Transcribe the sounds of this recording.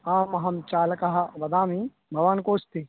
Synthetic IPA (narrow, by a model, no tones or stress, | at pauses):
aːmɐɦɐmt͡ʃaːlkɐɦabɐd̪ãːmi | bʱɐʋaːnkoːst̪i